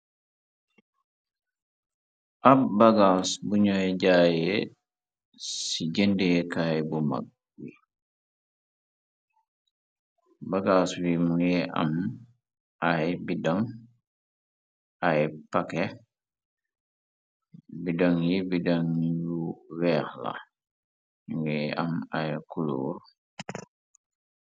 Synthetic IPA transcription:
ʔabbaɡasbuɲɔjɛd͡ʒajɛ | sid͡ʒendiɛkajɛbɔma̰ɡ̚ | wi | baɡaswimujɛʔa̰m | ʔajbidaŋ | ajpakɛ | bidaŋjibidaŋjuwɛːhla̰ | uŋɛa̰majkulṵːɾ

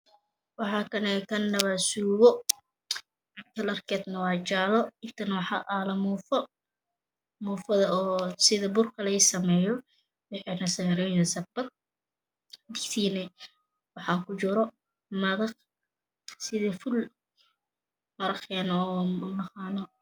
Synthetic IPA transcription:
wɑħɑːkʰɐnɛkʰɐnːɐβasuːβɔ | kʰɐlɐrkʰɛːd̪nɐwɑːt͡ʃaːlɔɪnt̪ʰɐnwɑħɑʔalɐmuːfɔ | muːfɐðɐɔːsɪðɐbʊrkʰɐlɐɪsɐmɛːjɔ | wɪħiːnɐsɛːɾɛɐsɐbɐr | d̪ɪkt̪ʰiːnɛ | wɑħɑːŋkʰʊt͡ʃʊɾɔ | mɐðɐq | sɪðɐfʊl | mɐɾɐχɛːnːmɑqɑːnɔ

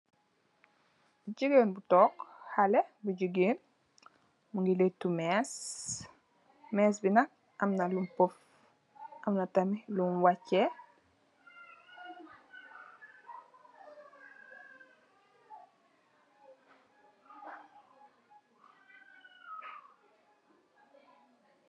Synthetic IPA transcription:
buɟəɡeːnbutɔːkhalɛbuɟəɡeːn | muŋɡiletːumɛs | mɛːsbinɐk̚ | ɐmnɐlumpɔf | ʔɐmnɐtɐmilunwacːɛ

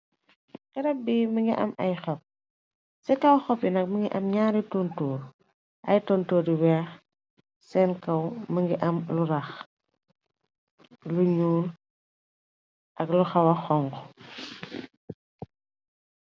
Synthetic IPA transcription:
qɛɾɐbiməŋɡiʔɐ̰mɐjxɔp̚ | sɛkɐwxɔpjinɐk̚məŋɡiʔɐmɲaːɾitontuːɾ | ʔɐ̰jtɔntoːɾiwɛːx | sɛnkɐwməŋɡiʔɐmluɾɐx | luɲuːr | ʔɐkluxɐwɐxɔŋɡɔ

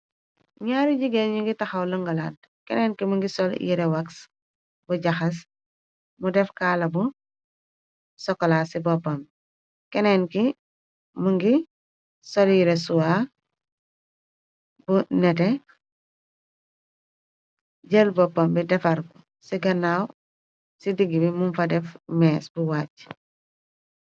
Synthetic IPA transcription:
ɲaːɾiɟiɡeɲuŋɡitɐxɐwlɐŋɡɐlad | kɛnɛnkimuŋɡisɔljḭɾɛwɐks | buɟɐxɐs̬ | mudɛfkaːlɐbu | sɔkːɔlaːsibɔpːɐm | kɛnɛnki | muŋɡi | sɔliɾesuwa | bunɛtɛ | ɟelbɔpːɐmbidɛfɐɾku | siɡɐnːaːw | sidiɡibimumfɐdɛfmɛːsbuwaːc

